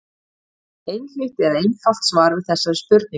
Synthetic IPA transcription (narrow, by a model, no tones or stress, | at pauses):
ejnhʏht̪ɛɾaejnhaw̪̥t̪svaːɾvɪðθɛsːaɾspʏɾt̪nɪ